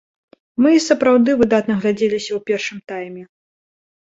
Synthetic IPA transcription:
mɨsɐpɾawd̪ɨvɨd̪at̪nɐɣlʲad͡zʲɛlʲisʲɐwpʲɛrʂɨmt̪ajmʲɛ

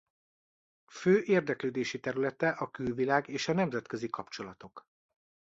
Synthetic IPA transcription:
føːʔeːrd̪ɛkløːd̪eːʃit̪ɛɾylɛt̪ɛʔɒkylvilaːɡeːʃɒnɛmzɛt̪køzikɒpt͡ʃo̞lɒt̪o̞k

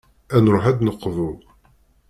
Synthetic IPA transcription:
ænɾˤʊħæd̪nəqːvʊð

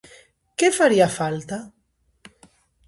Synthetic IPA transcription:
kefaɾiafalt̪a

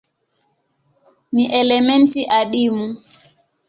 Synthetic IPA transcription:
niʔɛlɛmɛntiʔaɗimu

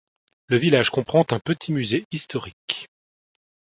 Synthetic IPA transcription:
ləvilaʒkɔ̃pχɑ̃t̪ɛ̃pət̪ʰimyzeist̪ɔʁik

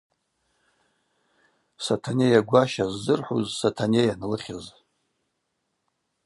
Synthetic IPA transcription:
satʰanejaɡʷaʃazːɨrħṵzsatʰanejanlɨχʲɪz

